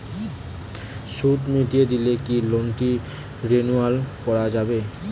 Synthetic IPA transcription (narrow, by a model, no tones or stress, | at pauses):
ʃut̪miʈied̪ilekilonʈi | ɾenualkɔɾad͡ʑabe